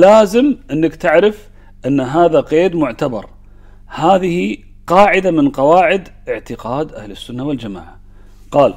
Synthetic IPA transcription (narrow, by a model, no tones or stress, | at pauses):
laːzɪmʔɪnːakt̪ɪʕɾɪf | ʔɪnːɦaːðaqeːd̪mʊʕt̪abɑ̰ɾˤ | haːðɪhi | qɑːʕɪd̪amɪnqɑwaːʕɪd̪ʔɪʕt̪ɪqɑːd̪ʔahlɪsːʊnːawald͡ʒama̰ːʕa | qɑːl